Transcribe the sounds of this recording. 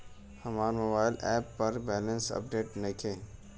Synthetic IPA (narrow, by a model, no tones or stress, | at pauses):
həmaːɾmobaːɪlɛːpːɐɾbɛːlə̃nsə̰p̚ɖeːʈnəkʰẽː